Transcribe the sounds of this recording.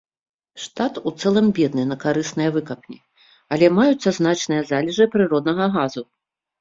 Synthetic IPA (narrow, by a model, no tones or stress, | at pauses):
ʂt̪at̪ut̪sɛlˠɐmbʲɛd̪nɨnɐkaɾɨsnɐjɐvɨkɐpnʲi | ɐlʲɛmajut̪sːɐznat͡ʂnɨjɐzalʲɛʐɨpɾɨɾɔd̪nɐɣɐɣazu